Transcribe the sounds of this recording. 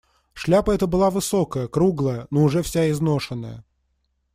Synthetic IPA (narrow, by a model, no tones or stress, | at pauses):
ʂlʲapəɛt̪əbɨlˠavɨso̞kəjəkɾuɡlˠəjənoʊʐɛfsʲaɪznoʂɨnːə̰jə̰